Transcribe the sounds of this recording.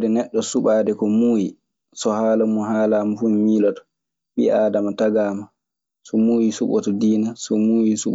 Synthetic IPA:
dɛnɛɗːɔsuɓaːdɛkɔmuːji | sɔhaːlamuhaːlaːmafummiːlɔtɔ̥ | ɓḭʔaːdamataɡaːma | sɔmuːjisuɓɔ̰tɔdiːnasɔmuːjisuɓ

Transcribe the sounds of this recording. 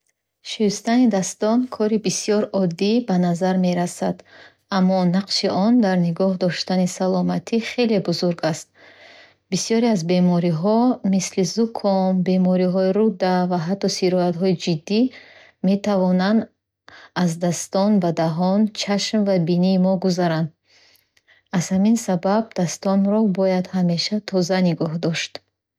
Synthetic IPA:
ʃist̪anid̪ast̪ɔnkʰɔɾibisijɔɾɔd̪ːibanazaɾme̞ɾasad̪ | amːɔnaqʃiʔɔnd̪aɾniɡɔhd̪ɔʃt̪anisalɔmat̪ʰiχe̞le̞buzuɾɡast̪̚ | bisjɔɾiazbe̞mɔɾiɦɔmislizukʰɔnbe̞mɔɾiɦɔiɾud̪avaɦat̪ʰːɔsiɾɔat̪ɦɔid͡ʒid̪ːi | me̞t̪ʰavɔnand̪ | azd̪ast̪ɔnbad̪aɦɔnt͡ʃʰaʃmvabiniːmɔɡuzaɾand̪ | az̥haminsabab̚d̪ast̪ɔnɾɔbɔjad̪hame̞ʃat̪ʰɔzaniɡɔɦd̪ɔʃt̪

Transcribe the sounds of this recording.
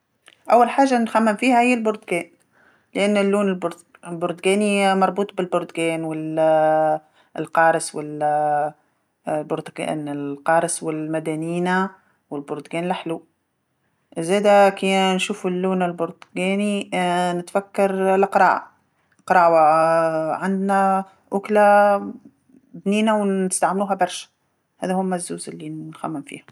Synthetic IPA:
ʔawːalħaːʒːanxamːɪmfiːhahɪjːɪlbʊɾd̪ɡeːn | lɪʔanːɪlːuːnɪlb | lbʊɾd̪ɡeːnimɑɾˤbuːt̪̚ˤbɪlbʊɾd̪ɡeːnwɪl | lqɑːɾˤɪswɪl | bʊɾd̪ɡḛnɪlqɑːɾˤɪswɪlmad̪aːniːna | wɪlbʊɾd̪ɡeːnlɪħluː | ʔzeːd̪akinʃuːfɪlːuːnalbʊɾt̪ɡeːninɪt̪fakːɑɾˤlɪqɾˤɑ̰ːʔa | qɾˤɑːwa | ʕand̪na | ʔʊkla | b̪niːnawɪst̪aʕmluːɦabɑɾˤʃḁ | hæːðahʊmːazːuːzɪlːinːxæmːɪmfḭːha

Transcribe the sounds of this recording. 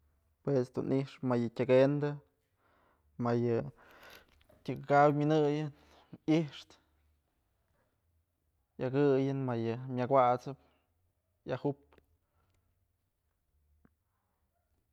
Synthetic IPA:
pwesd̪unʔiʂmajɨtʲaɡend̪ɨ | majɨ | tʲɨkɨkawmʲɨnɨjɨn | iʂt̪ | jaɡɨjɨnmajɨmʲakʷwat͡sɨp̚ | jahup

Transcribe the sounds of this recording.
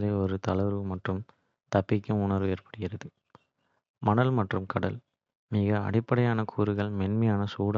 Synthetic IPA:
ðeːɔɾɯt̪ɐɭɐɾɯmɐʈrɯm | t̪ɐpːɪkʲːɯmʊɳɐɾʋɯeːrpɐ̥ɽɪjɪɾɐðɯ | mɐɳɐlmɐʈrɯmkɐɽɐ̰l | miːɣɐɐ̰ɽɪpːɐɽɐjaːnɐkʰuːɾɯɣɐɭmɛnmɐjaːnɐsuːɽɐ

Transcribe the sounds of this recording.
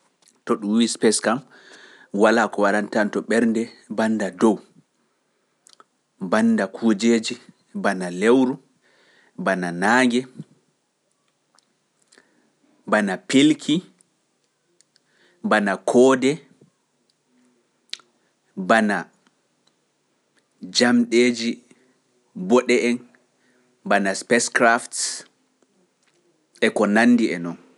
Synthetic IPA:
tɔɗumwispɛskam | walakɔwaɾantantɔɓɛɾndɛbandadɔw | banːdakʰud͡ʒeːd͡ʒi | banalewɾu | bananaːŋɡɛ | banapilkʰi | banakʰɔːdɛ | bana | d͡ʒamɗeːd͡ʒi | bɔɗɛʔɛn | banaspɛskɾafts | ɛkɔnanːdiɛnɔn

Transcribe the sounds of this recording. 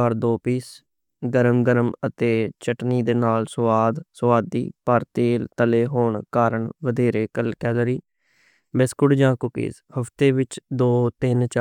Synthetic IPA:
aːɾd̪oːpiːs | ɡəɾəmɡəɾəmət̪eːt͡ʃəʈniːd̪eːnaːlsʊʋaːd̪sʊʋaːd̪ḭːpəɾt̪eːlt̪əleːɦoːɳkaːɾəɳʋəd̪eːɾeːkəlkɛːlɾiː | bɪskʊɽd͡ʒãːkʊkḭːs | həpʰt̪eːʋɪt͡ʃd̪oːt̪ɪnt͡ʃa

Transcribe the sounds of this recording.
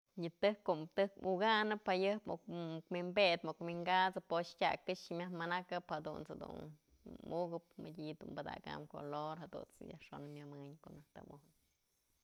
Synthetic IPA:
ɲɨt̪ɨhkːoʔmt̪ɨhkuɡanɨpajɨhpokmimbet̪mokmiŋɡat͡sɨpostʲakɨʂmʲahmanakɨphad̪ṵnsad̪ṵn | muɡɨp̚mɨdʲid̪umbad̪a̰ɡa̰mko̰loɾhad̪ṵnt͡sɨja̰hʂonɨmʲamɨɲkoʔnaht̪abuhn

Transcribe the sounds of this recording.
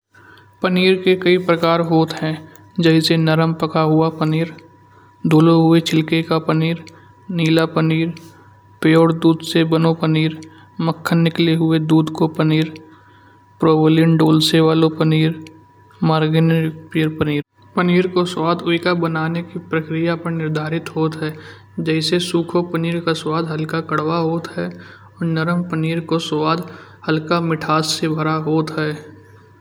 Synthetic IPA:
pəniːɾkekɐipɾəkaːɾɦoːt̪ɦɛ̃ | d͡ʒɛɦisenəɾəmpəkaɦʊapəniːɾ | d̪ʱoːloɦʊet͡ʃʰɪlkekapəniːɾ | niːlapəniːɾ | peːoːɽd̪uːd̪sebənopəniːɾ | məkʰːənːɪkleɦʊed̪uːd̪kopəniːɾ | pɾoːblɪənɖoːlseʋaːlopəniːɾ | maːɾɡɪnkpijəɾpəniːɾ | pəniːɾkoswaːd̪ʊikabənaːnekipɾəkɾɪjapəɾnɪɾd̪ʱaːɾɪt̪ɦoːt̪ɦɛː | d͡ʒɛːsesuːkʰopəniːɾkaswaːd̪ʱɦəlkakəɽwaɦoːt̪ɦɛː | ɔːɾnəɾəmpəniːɾkoswaːd̪həlkamɪʈʰaːssebʱəɾaɦoːt̪ɦɛː

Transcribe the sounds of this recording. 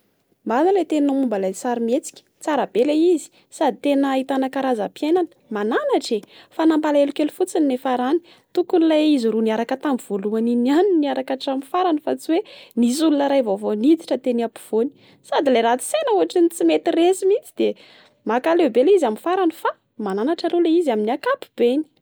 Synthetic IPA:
mazalet̪ennamumbalasaɾimet͡si̥kʲə̥t͡saɾəb̥elaizi̥ | sad̪ʱit̪enəit̪anakaɾazapjenanə̥mananaʈ͡ʂefanambalaelukelufut͡sininefaɾani̥ | t̪ukunilajiziɾuniaɾakət̪ambiv̥oluaninianiniaɾakaʈ͡ʂamifaɾanəfat͡siwenis̬ulunəɾajvovonit͡s̪i̥ʈ͡ʂət̪eniapi̥v̥oni̥ | sad̪ileɾat̪i̥senəuɦaʈ͡ʂinit͡simet̪iresimit͡si̥d̪̥e | makalebelizamifaɾanəfa | mananaʈ͡ʂalulaiziaminiakapi̥b̥eni̥

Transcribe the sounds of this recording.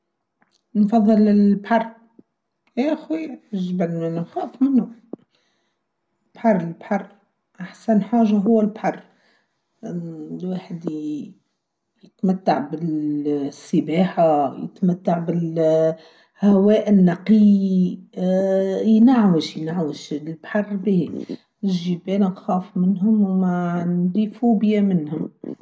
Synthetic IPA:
nfɑðˤːɨlɪbħɑrˤː | aʔxwiʒbælnnnxɑːfmɪnhʊ | lb̥ħɑrˤːɪlbħɑrˤː | ʔaħsænħaːʒaɦʊwːælbħɑrˤː | lwaːħəd̪ | jɪt̪mæt̪ːaʕbɪlsːɪbaːħajɪ̰t̪mat̪ːaʕbɪl | hawɛːʔɪnːɑqɪji | jnaʕwɪʃjnaʕwəʃlbħɑrˤːbii | nɪʒibeːnʊnxɑːfmɪnɦʊmwmaʕnd̪ifuːbjamɪnhʊm

